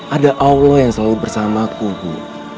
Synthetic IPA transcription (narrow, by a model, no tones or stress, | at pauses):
ʔadaʔawlɔjaŋsəlalubərsamakubṵ